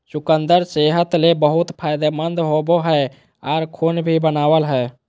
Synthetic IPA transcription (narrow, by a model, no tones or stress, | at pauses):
sukənd̪əɾt͡ʃeɦət̪lebəɦut̪pʰajd̪emənd̪ɦoboɦɛ | aɾkʰonbʱibənaʋəlɦɛ